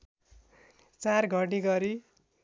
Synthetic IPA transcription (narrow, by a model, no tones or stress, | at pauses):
t͡sarɡʱʌʈiɡʌɾi